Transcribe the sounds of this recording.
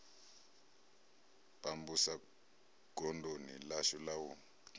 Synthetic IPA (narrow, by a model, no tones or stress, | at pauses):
pʼambusa | ɡ̥ʱɔndʱonḭlaʃɔlawu